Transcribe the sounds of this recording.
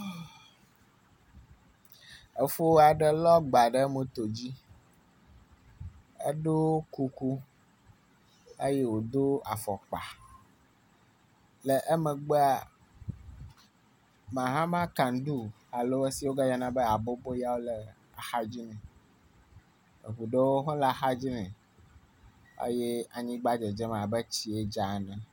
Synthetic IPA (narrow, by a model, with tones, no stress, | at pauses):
ə˨fo˦wa˨ɖə˦lɔ˦ɡ͡ba˨ɖə˦mə̃˨t̪o˨d͡ʑi˦ | ə̰˦ɖo˦ku˨ku˦ | e˦je˦wo˨d̪o˦a˨fɔ˨k͡pa̰˨ | lə˨ʔə˦mə̃˨ɡ͡be˦a˨ | mã˨ɦã˦mã˦kã˨n˦ɖu˦ | a˨lo˦e˦si˦wo˦ɡa˦ja˦nã˦bə˦a˨bo˦bo˦ja˦wo˦lɛ˨ | a˨xa˦d͡ʑi˦nɛ̃˨ | ḛ˨ɸu˨ɖe˦wo˦ɦɔ̃˦la˨xa˦d͡ʑi˦nɛ̃˨ | a̰˦jɛ˦a˨ɲĩ˦ɡ͡ba˦d͡ʒɛ˨d͡ʒɛ˦m˨a˨bə˦t͡ɕi˦e˦d͡ʒa˨nã˦